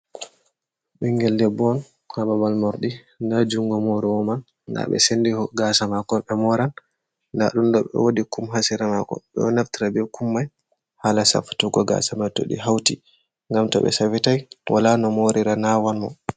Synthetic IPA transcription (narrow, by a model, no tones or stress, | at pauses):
ɓɛŋɡɛlːɛbɔn | hababalmɔɾɗi | ndad͡ʒuŋɡɔmoɾiwɔmanː | a̰ɓɛ̰sendihɔɡasamakɔɓɛmɔɾanː | da̰ɗumɗɔɓɛ̰wodikumɦasiɾamakɔ̰ɓɛ̰ɔnaftiɾabɛkumːaj | halasa̰fu̥tuɡɔɡa̰samatɔ̰ɗḭɦawti | ŋɡamtɔ̰ɓɛ̰sawitajwʔa̰lanɔmoɾiɾanawanmɔ̰